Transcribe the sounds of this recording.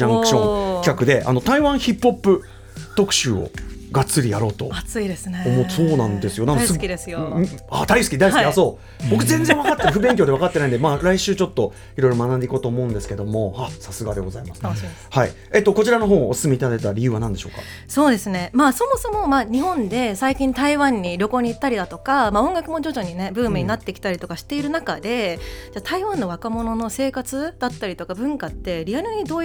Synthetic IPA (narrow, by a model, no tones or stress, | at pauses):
ãŋkɯ̥ɕõŋkʲkakɯ̟d̪e̞ʔa̰no̞t̪aiβãɰ̃çipːo̞pːɯ̟ | t̪o̞kɯ̟̥ɕɨːo̰ɡat͡sɨɾʲijaɾo̞ːt̪o̞̰ɡt͡sid̪esomoso̞ːnãnd̪e̞sɨjo̞nãnskid̪esɨjoa̰d̪aisɨ̥kʲid̪aisiiaso̞ː | bo̞kɯzẽ̞nd͡zẽɰ̃akat̪ːeaɸɯ̟bẽ̞ŋk̬ʲod̪e̞βakat̪ːe̞naĩnd̪e̞maːɾaiɕɨːt͡ɕo̞t̪ːo̞ | iɾo̞iɾo̞manãnd̪eiko̞ːt̪oːmo̞ɯ̟̃nd̪e̞sɨ̥ke̞d̪o̞mo̞hasasɨɡad̪e̞ɡo̞za̰imasɨ̥ | haḭ | eːt̪ːoko̞t͡ɕiɾano̞ɦo̞ːsɨ̥sɨme̞it̪ad̪aet̪aɾʲijɯ̟ːβanãnd̪eɕo̞ːka̰ | so̞ːd̪e̞sɨne̞maːso̞mo̞so̞mo̞maːɲ̟iɦõ̞nd̪e̞saikʲĩnt̪aiβãɲ̟ːiɾʲo̞ko̞ːɲ̟it̪ːaɾʲid̪at̪o̞kamaõ̞ŋɡakɯ̟mo̞d͡ʑo̞ʑo̞ɲ̟ine̞bɯ̟̃ːmmeɲ̟inat̪ːe̞kʲi̥t̪aɾit̪o̞kaɕi̥t̪e̞iɾɯ̟nakad̪e̞d͡ʑaːt̪aiβãnːo̞βakamo̞no̞no̞se̞ːkat͡sɨd̪̥at̪ːaɾʲit̪okabɯ̟̃ŋkat̪ːe̞ɾʲiaɾɯ̟ɲ̟id̪oː